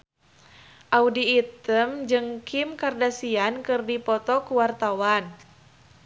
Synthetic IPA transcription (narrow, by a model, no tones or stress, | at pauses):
ʔaudiːt̪əmd͡ʒɨŋkʰimkardasiankɨrdipɔt̪ɔkuwart̪awan